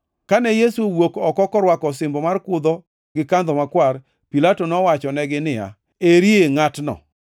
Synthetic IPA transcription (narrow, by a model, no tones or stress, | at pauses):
kanɛjesuwokɔkɔkɔɾwakɔsɪmbɔmarkʊd̪ɔ | ɡɪkand̪ɔmakwar | pilatonɔwat͡ʃɔnɛɡɪnɪja̰ | eɾieŋatnɔ̰